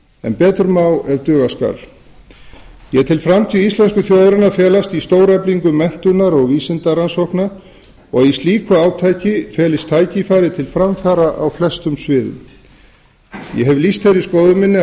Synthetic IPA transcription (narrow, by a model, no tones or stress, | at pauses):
ɛ̰npɛːt̪ʏɾmaːwɛɾt̪ʏːɣaska̰l | jɛt̪ʰɪlfɾamt̪ʰiist̪lɛnskʏθjoːwðɾɪnafɛːlast̪ist̪oːwɾɛpliŋkʏmɛn̥t̪ʏnaɾɔɣviːsɪnt̪aɾansɔhknaɾ̥ | ɔɣist̪liːkʏaːwt̪ʰaːjcɪfɛːlɪst̪ʰaːjcɪfaːɾɪt̪ʰɪlfɾamfaːɾaʔawflɛst̪ʏmsvɪːðʏ̰m | jɛ̰ɦɛvlist̪θejɾiskoːwðʏmɪnːɪ